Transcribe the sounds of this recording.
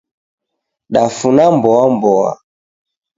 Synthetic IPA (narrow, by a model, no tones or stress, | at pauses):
ɗafunambɔambɔa̰